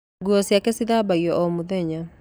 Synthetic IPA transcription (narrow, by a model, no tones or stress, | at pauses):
ɡuɔsjakɛsiðabaiɔɔmuðɛɲa